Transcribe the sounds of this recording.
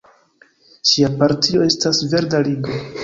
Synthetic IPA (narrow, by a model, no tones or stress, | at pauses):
ʃiapaɾtio̞e̞stasve̞ɾdaliɡo̞